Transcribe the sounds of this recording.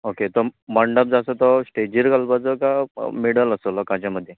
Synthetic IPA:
oket̪ɔməɳɖəp̚d͡zasət̪ɔsʈed͡ʑiɾkalpat͡səkameɽələsolɔkãt͡ɕaməd̪ʱːje

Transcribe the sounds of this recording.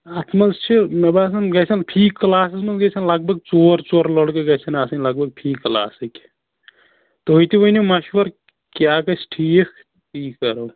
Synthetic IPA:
at̪ʰmɐlst͡ʃʰimɐbaːs̬ɐnɡɐsʰɐnpʰiːkːlaːsismɐnɡɐsʰɐnlɐɡ̚bʱɐɡ̚t͡soːɾt͡ʃoːɾlɐɽkeɡɐsʰɐnaːsɐnʲlɐɡ̚bʱɐɡ̚pʰiːkːla̰ːsikʲ | t̪oɦojt̪iʋoinimɐʃʋɐɾ | kjaːkɐsʈʰiːkʰ | iːkːɐɾo

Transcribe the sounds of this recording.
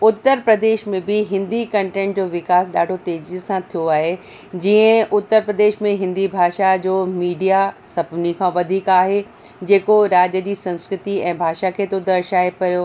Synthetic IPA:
ʊt̪ːəɾpɾɐd̪eːʃmẽbɪɦɪ̃nd̪ikɐ̃ɳʈẽːɳʈd͡ʑoːʋɪkaːsɗaːɖʱot̪eːd͡ʑisãt̪ʰijoaːɦe | d͡ʑiːə̃ʔʊt̪ːəɾpɾɐd̪eːʃmẽɦɪ̃nd̪ibʱaːʃad͡ʑoːmiːɖijasɐpnikʰãːʋɐd̪ʱiːkaːɦe | d͡ʑeːkoɾaːd͡ʑəd͡ʑiːsɐ̃nskɾɪt̪iɛ̃ːbʱaːʃakʰeːt̪od̪ɐɾʃaːepɐɾjoː

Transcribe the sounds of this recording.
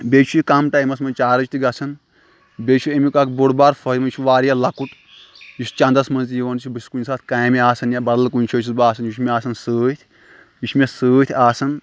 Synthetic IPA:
bʲet͡ʃʰujikɐmʈaːjmɐsmɐt͡ʃaːɾɐt͡ʃʰʲt̪ʰiɡɐt͡sʰɐn | bʲet͡ʃʰuemikakboɽbaːɾfʰɐɾʲmɐt͡ʃʰuʋaːɾjalɐkuʈ | just͡ʃɐ̃nd̪ɐsmɐnzt̪jiʋɐnt͡ʃʰibɨskunʲsaːt̪ʰkaːjmiaːsɐnjabɐd̪lkunʲt͡ʃʰɐt͡ʃʰisbaːsʰɐnjit͡ʃʰmʲeaːsɐnsəːt̪ʰʲ | jut͡ʃʰmesəːt̪ʰʲaːsɐn

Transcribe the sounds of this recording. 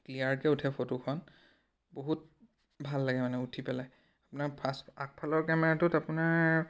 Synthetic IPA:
kliaɹkɛutʰɛpʰotokʰɔn | boɦut̚ | bʱalːaɡɛmanɛutʰipɛlaj | apunaɹpʰasak̚pʰalɔɹkɛmɛɹatʊtapunaɹ

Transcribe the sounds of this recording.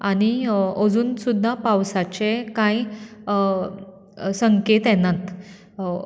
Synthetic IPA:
añiəd͡zuːnsud̪ʱːapawsat͡ɕekai | səŋket̪jɛnat̪

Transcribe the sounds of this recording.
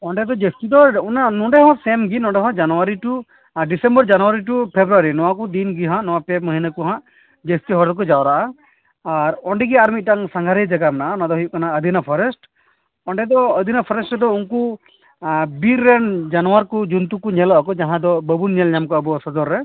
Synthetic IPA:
ɔɳɖɛd̪ɔd͡ʒestid̪ɔunanɔɖɛɦɔ̃sɛmɡinɔ̃ɳɖɛɦɔ̃d͡ʒanuwaɾiʈu | ɖisɛmbɔɾd͡ʒanuwaɾiʈ̬upʰebɾuaɾinɔwakud̪inɡiɦãʔnɔwapeməɦinakuɦãʔ | d͡ʒest̪iɦɔɾd̪k̬ɔd͡ʒawɾaʔaː | ɾɔɳɖɛɡiaɾmit̪̚ˀʈaŋsaŋɡʱaɾejd͡ʒaɡamɛnaʔaunad̪ɔɦujuʔkanaəd̪ʱinapʰɔɾɛsʈ | ɔɳɖɛd̪ɔəd̪ʱinapʰɔɾɛsʈɾɛd̪ɔuŋku | biɾːɛnd͡ʒanɔwaɾkud͡ʒunt̪ukuɲɛlɔʔkɔd͡ʒaɦãd̪ɔbəbunɲɛlɲamkɔəbɔsɔd͡ʒɔɾːɛ

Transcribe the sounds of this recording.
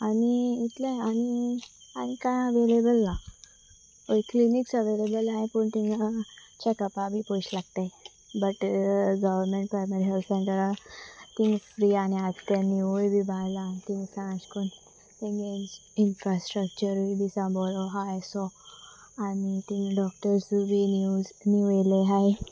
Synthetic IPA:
aniːt̪lãanianikãjəʋelebəlna | ojkliniksəʋelebəlnaẽpuɳt̪iŋɡat͡ɕekəpabʱipojt͡ɕlaɡ̚t̪a | bəʈɡəʋəɾmẽɳʈ̚pɾajməɾiɦɛlt̪sẽɳʈəɾat̪ĩŋɡfɾiːaːniaːd͡ʒkenioibʱibaːlant̪ĩŋɡsãːd͡ʒkun | t̪ĩŋɡensɪnfɾasʈɾək̚t͡ʃəɾobʱisãboloɦajso | anit̪iŋɖɔːk̚ʈəɾsubʱinjueleɦaj

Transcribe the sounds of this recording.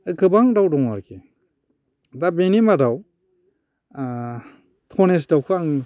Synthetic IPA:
ɯkɯbaŋdawdɔŋaɾkʰe | dabenimadaw | tʰɔnes̬dawkʰɯaŋ

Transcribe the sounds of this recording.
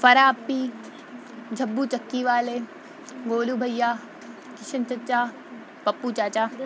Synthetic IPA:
fɐɾaːpːi | d͡ʒʱɐbːut͡ʃɐkːiʋaːleː | ɡoːlubʱɐjːaː | kɪʃʰənt͡ʃɐt͡ʃaː | pɐpːut͡ʃaːt͡ʃaː

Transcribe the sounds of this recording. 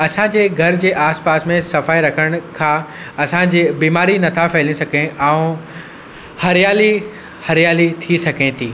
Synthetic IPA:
ɐsãd͡ʑeːɡʱɐɾd͡ʑeːʔaːspaːsmẽsɐfaːiɾɐkʰəɽ̃ʊ̆kʰãː | ɐsãd͡ʑeːbiːmaːɾinɐt̪ʰafɛːlĩsɐkẽʔaːũ | hɐɾijaːli | hɐɾijaːlit̪ʰisɐkẽt̪ʰiː

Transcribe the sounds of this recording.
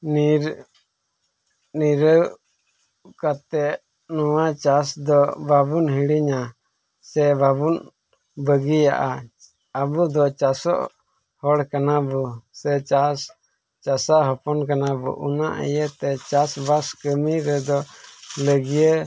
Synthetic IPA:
nɾ | niɾəw | kat̪ɛʔ | nuwat͡ʃasd̪ɔbabunɦiɽiɲa | sɛbabun | bəɡija̰ʔa | abud̪ɔt͡ʃasɔ̰ʔ | hɔɽkanabusɛt͡ʃas | t͡ʃasaʔɦɔpɔnkanabṵʔunaʔɛ̰jət̪ɛt͡ʃasbaskəmiɾɛd̪ɔləɡijə

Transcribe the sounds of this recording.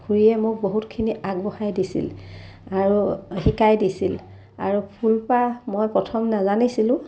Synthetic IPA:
hʰuɹijɛmʊk̚boɦutkʰiniaɡ̚bɔhajdisḭlaɹuxikajdisil | a̰ɹupʰulpamojpɹɔtʰɔmnazanisilʊ̃

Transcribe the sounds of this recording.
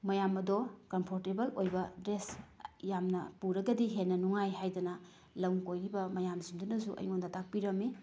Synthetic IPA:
mɐjamɐdokɐmpʰoɾtebɐlojbɐdɾesjamnɐpuɾɐɡɐdiɦenːɐnuŋajɦajdɐnɐ | lɐwŋkojɾibɐmɐjamzindunɐsuʔɐ̰jŋondɐtʰak̚piɾɐmi

